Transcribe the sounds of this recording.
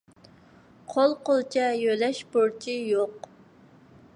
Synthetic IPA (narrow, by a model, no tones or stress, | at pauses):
qʰolˠqolˠt͡ʃʰɛjølɛʃboɾt͡ʃʰijoq